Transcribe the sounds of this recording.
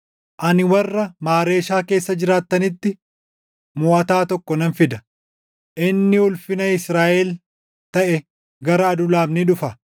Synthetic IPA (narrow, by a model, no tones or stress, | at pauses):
ʔɐnɪwɐrːɐmaːɾe̞ːʃaːke̞ːsːɐd͡ʒɪɾaːt̪ːɐnɪt̪ːɪ | mʊːʔɐt̪aːt̪ɔkːɔnɐnfɪd̪ɐ | ʔɪnːɪʊlfɪnɐɪsɾaːʔɛl | t̪ɐʔɛ | ɡɐɾɐːd̪ʊlaːbnɪᶑʊfɐ